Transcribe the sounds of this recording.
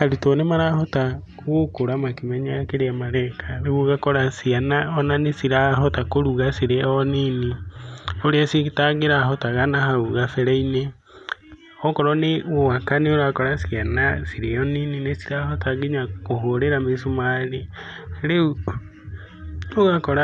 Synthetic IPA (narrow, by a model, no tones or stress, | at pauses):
haɾutonemaɾahɔta | ɣokoɾamakimɛɲakeɾeamaɾaːkʰaɾeɣuɣakɔɾasianaɔnanesiɾaɦɔtakoɾuɣasiɾeɔnini | oɾeasitaɡeɾaɦɔtaɣanahauɣafɛɾaine | ɔkɔɾɔneowakaneoɾakɔɾasianasiɾeɔnininesi̥ɾahɔtaɡiɲakoɦoɾeɾamesomaɾe | ɾeu | noɣakɔɾa